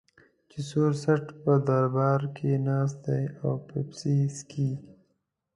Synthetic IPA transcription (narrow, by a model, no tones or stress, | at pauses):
t͡ʃɪsoɾsaʈpəd̪aɾbɑːɾkʰenɑːs̬t̪̚d̪ajawpepsiskʰi